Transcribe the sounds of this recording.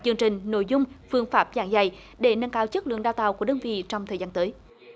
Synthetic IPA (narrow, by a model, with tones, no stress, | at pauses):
t͡ɕɨ˧əŋt͡ɕï˨˩ŋ̟no̰˧˨jzʊ˧wŋ͡mfɨ˧əŋfaː˦˥p̚zaː˧˩ŋza˧˩j | ɗe˧˩nə˧ŋkaː˧˦wt͡ɕə˦˥k̚lɨ̰˧˨əŋɗaː˧wt̪a̰ː˧˨wku˧˩əɗəː˧nvḭ˧˨t͡ɕɔ˧wŋ͡mt̪ʰəː˨˩jzaː˧nt̪əː˨˦j